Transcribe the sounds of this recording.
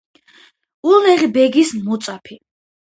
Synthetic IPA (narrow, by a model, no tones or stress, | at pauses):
ulnɛʁibɛɡismɔt̪sʼapʰi